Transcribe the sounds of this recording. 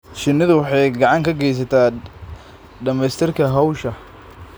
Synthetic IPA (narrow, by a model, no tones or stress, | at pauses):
ʃɪnːɪðʊwɑħɑjɡɑʕɑŋkʰɐɡɛjs̬ɐt̪ʰaː | ɖɐmɛjst̪ʰɪrkʰɐɦɐwʃɐ